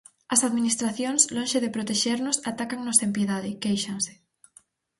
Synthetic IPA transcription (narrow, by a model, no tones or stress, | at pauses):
ɐsaðmĩnist̪ɾaθjonslonʃeðepɾot̪eʃeɾnosat̪akaŋnosempjeðaðekejʃanse̥